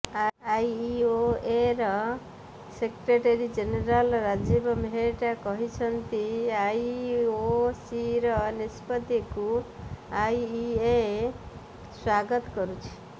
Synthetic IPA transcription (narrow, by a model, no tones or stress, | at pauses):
aajioeɾɔ | sekɾeʈeɾid͡ʒeneɾalɾad͡ʒebɔmɦeʈakɔɦit͡ʃʰʌnt̪iajosiɾɔnispɔd̪iku | ajːe | swaɡɔt̪kɔɾut͡ʃʰi̥